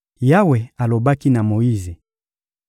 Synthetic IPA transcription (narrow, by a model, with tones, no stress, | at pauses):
ja˦we˨a˨lo˨ba˦ki˦na˨mo˨ji˦ze˨